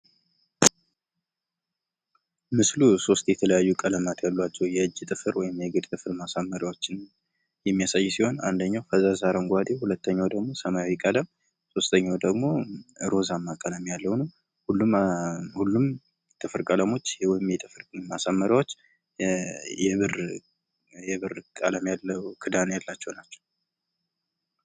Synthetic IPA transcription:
mɨsluso̞st̪jɛt̪ʰələjajːukʼələmat̪ʰjalːwat͡ʃːɛwjɛɨd͡ʒːt̪ʼɨfɨɾwɔjɪmjɛɡɨd̪t̪ʼɨfɨɾmasamːəɾiwot͡ʃːɪn | jɛmːijasajːsiho̞na̰nd̪əɲːawfəzazaɾəŋɡʷad̪ehulət̪ʰːəɲːawd̪əɡmo̞səmajawikʼələm | so̞st̪ʰəɲːawd̪əɡmo̞ɨɾo̞zamːakʼələmjalːəwnə | hulːumhulːum | t̪ʼɨfɨɾkʼələmo̞t͡ʃːjwɔɪmjɛt̪ʼɨfɨɾmasamːəɾiwot͡ʃː | jɛβɨr | jɛβɨrkʼələmjalːəwkʰɨd̪anjalːat͡ʃːɛwnat͡ʃːɛ̥w

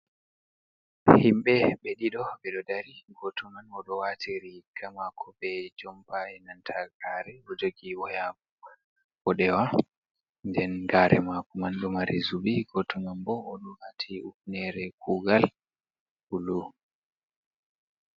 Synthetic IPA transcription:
himɓɛɓɛɗiɗɔɓɛɗɔdaɾiɡɔtʰɔmanɔɗɔwatʰiɾiɡamakʰɔbɛd͡ʒɔmbaɛnantʰaɡaɾɛʔɔd͡ʒoɡiɔja | bɔɗɛwa | ndɛnɡaːɾʔɛ̰makɔmanɗɔmaɾizubiɡɔtʰɔmanbɔːɗɔwatʰiuk̚nɛɾɛkʰuɡal | ulu

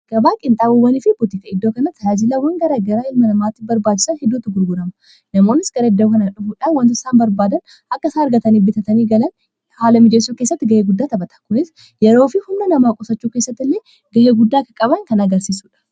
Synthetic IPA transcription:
ɡ̥ɐbaːkʼɪnt̪ʼaːbubɐniːfɪbʊt̪iːkɐɪd̪ːoːkɐnɐt̪ːaːzɪlaːwɐŋɡɐɾaɡɐɾaːɪlmɐnɐmaːt̪ːɪbɐɾbaːt͡ʃːɪ̥sɐnhɛd̪ːuːt̪ːʊɡʊɾɡʊɾɐmɐ | nɐmo̞ːnːɪsɡ̥ɐɾɐɪd̪ːɐkɐnɐᶑʊfuːᶑaːnwɐnt̪ɪsaːnbɐɾbaːd̪ɐn | ʔɐkːɐsaːɐɾɡɐt̪ɐniːbɪt̪ɐt̪ɐniːɡɐlɐn | haːlɐmɪd͡ʒeːsːuːke̞ːsːɐt̪ːɪɡɐheːɡʊd̪ːaːt̪ɐbɐt̪ɐ̥kʊnɪs | jɛɾo̞ːfɪhʊmnɐnɐmaːkʼʊsɐt͡ʃːuːkeːsːɐt̪ːɪlːeː | ɡɐheːɡʊd̪ːaːkɐkʼɐbɐŋkɐnɐɡɐɾsiːsuːᶑɐ̥

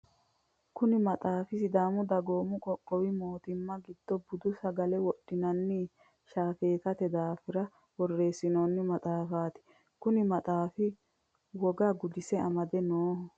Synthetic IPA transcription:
kʊnɪmɐt̪ʼaːfɪsɪd̪aːmʊd̪ɐɡoːmʊkʼɔkʼːɔwɪmoːt̪ɪmːɐɡɪd̪̥ːɔbʊd̪ʊsɐɡɐlɛwɔɗ̥ːɪnɐnːɪ | ʃaːfeːt̪ɐt̪ɛd̪aːfɪɾɐ | wɔrːeːsɪnonːɪmɐt̪ʼaːfaːt̪ɪ̥ | kʊnɪmɐt̪ʼaːfɪ | wɔɡaɡʊd̪ɪsɛɐmɐd̪ɛnoːhɔ

